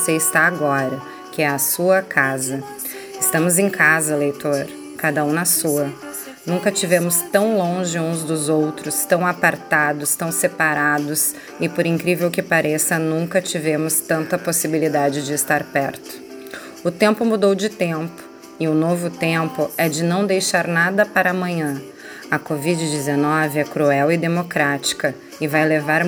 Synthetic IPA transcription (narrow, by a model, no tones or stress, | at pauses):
seɪst̪aaɡɔɾɐ | kɪɛɐsuɐkʰazɐ | ɪst̪ɐ̃mʊzẽkʰazɐlejt̪oɾ | kad̪ɐũnɐsuɐ | nũŋkɐt͡ʃivẽmʊst̪ɐ̃w̃lõʒɪũzd̪ʊzowt̪ɾʊst̪ɐ̃w̃apaɾt̪ad̪ʊst̪ɐ̃w̃sepaɾad̪ʊs | ɪpʊɾĩŋkɾivewkɪpaɾʔesɐnũkɐt͡ʃivẽmʊst̪ɐ̃nt̪ɐposibilid̪ad͡ʒɪd͡ʒɪːst̪aɾpɛɾt̪ʊ̥ | ʊt̪ẽmpʊmud̪owd͡ʒɪt̪ẽmpʊ̥ | ɪʊnovʊt̪ẽmpʊɛd͡ʒɪnɐ̃w̃d̪ejʃaɾnad̪ɐpaɾɐamɐ̃ɲɐ̃ | ɐkovid͡ʒɪd͡ʒɪzenɔvɪɛkɾuɛwɪd̪emokɾat͡ʃi̥kɐ | ɪvajlevaɾ